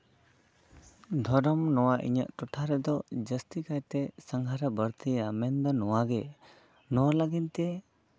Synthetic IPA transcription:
d̪ʱɔɾɔmnɔwaʔḭɲa̰ʔʈuʈʰaɾɛd̪ɔd͡ʒəst̪ikajt̪ɛsaŋɡʱaɾabəɾt̪iamɛnd̪ɔnɔwaɡɛ | nɔwaləɡint̪ɛ

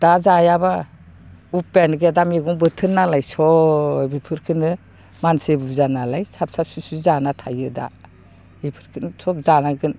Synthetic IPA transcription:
d̥azajaba | upːenɡedamiɡuŋbɯtʰɯnːalajsɔbipʰɯɾkʰɯnɯ | mansebuɾzanalajsap̚sap̚susuzanatʰajɯda̰ | ipʰɯɾkʰɯnsʰɔp̚zanaɡɯn

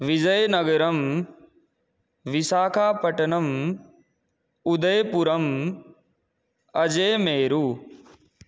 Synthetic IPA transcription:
ʋɪd͡ʒɐjnɐɡəɾɐm | ʋɪsaːkʰaːpɐʈɐnɐm | ʊd̪əjpʊɾɐm | ɐd͡ʒeːmeːɾuː

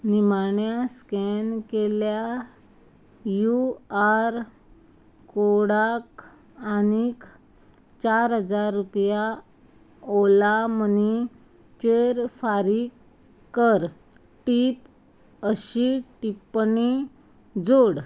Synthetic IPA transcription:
nimaɳjaskenkelja | juaɾ | koɽak | anikʰ | t͡ɕaɾɦəd͡zaɾːupja | olaməni | t͡ɕeɾfaɾik | kːəɾ | ʈip | əɕiʈipːni | d͡zoɽ

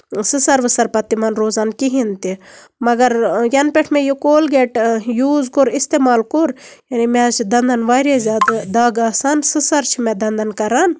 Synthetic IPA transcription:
sɨsɐɾʋɨsɐɾpɐt̪ːimɐnɾoːzaːnkiɦint̪i | mɐɡɐɾjɐnpʲeʈʰmejukoːlɡeʈjuːzkoɾist̪eːmaːlkoɾjanimet͡ʃʰid̪ɐnd̪ɐnʋaːɾezʲaːd̪d̪aɡaːsansɨsɐɾt͡ʃʰimed̪ɐnd̪ɐnkɐɾan

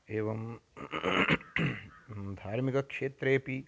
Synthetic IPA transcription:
eːʋɐm | d̪ʱaːɾmikɐkʂeːt̪ɾeːpi

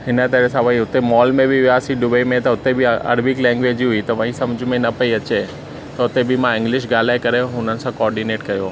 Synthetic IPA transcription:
hɪnət̪ɐɾesãʋɐiʊt̪emɔːlmẽbʱiʋiasiɖʊbeimẽt̪ɐʊt̪ebʱiɐ̰ɾbɪklɛ̃ːŋɡʋeːd͡ʑiɦʊit̪ɐʋɐ̃ɦĩsɐmd͡ʑʱʊmẽnɐpɐiɐt͡ɕe | t̪ɐʊt̪ebʱimãɪ̃ŋɡlɪʃ̬ɡaːl̤aːekɐɾeɦʊnənɪ̆sãkɔːɾɖineːʈkɐjoː

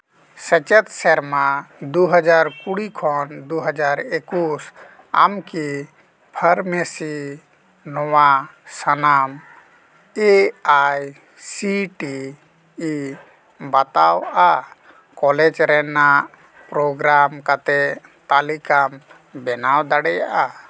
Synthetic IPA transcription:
sət͡ʃət̪seɾmad̪uɦəd͡ʒaɾkuɽikʰɔnd̪uɦəd͡ʒaɾekus | a̰mki | pʰəɾmesi | nɔwasənam | eaj | siʈiː | bat̪awa | kɔled͡ʒɾɛnaʔ | pɾoɡɾamkat̪ɛt̪alikam | bɛnawd̪aɽɛjaʔa

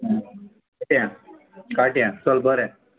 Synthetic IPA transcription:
ʈjã | kaʈjãsəlbʱəɾɛ̃

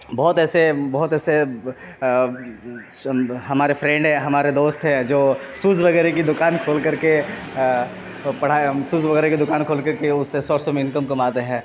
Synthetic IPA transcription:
bɔːt̪ɛːsebɔɦt̪ɛːse | ɦɐmaːɾefʰɾɛ̃ɳɖɦɛ̃ɦɐmaːɾed̪oːst̪ɦɛ̃d͡ʒoː | suːzʋɐɡɛːɾek̬id̪ʊkaːnkʰoːlkɐɾke | pɐɽ̤aːsuːzʋɐɡɛːɾekid̪ʊkaːnkʰoːlkɐɾkeʊsːesɔːsɔmẽɪ̃nkəmkɐmaːt̪eɦɛ̃ː

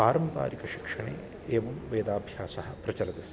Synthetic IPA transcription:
aːɾɐmpa̰ːɾikɐʃi̥kʂɐɳḛː | eːʋɐmʋeːd̪aːbʱjaːsɐɦɐpɾɐt͡ʃɐlɐt̪is

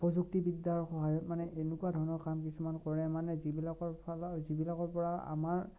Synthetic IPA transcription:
pɹɔzuk̚tibidːaɹxɔɦajɔtmanɛʔenukuadʱɔɹnɔkamkisumankɔɹɛmanɛzibilakɔɹpalzibilakɔɹpɔɹaa̰maɹ

